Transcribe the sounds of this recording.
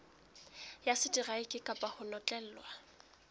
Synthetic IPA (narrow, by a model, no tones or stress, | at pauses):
jasɪdʼiraɪkʼɪkʼapʼahʊnɔt͡ɬʼɛl̩ːlwa